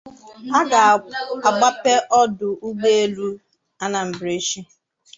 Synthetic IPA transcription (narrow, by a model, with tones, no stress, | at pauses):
a˦ɡa˨a˨ɡ͡ba˦pe˦ʔɔ˦dʊ˨ʔu˦ɡ͡be˦e˦lu˦ | a˦na˨m̩˨bɾe˦ʃi˦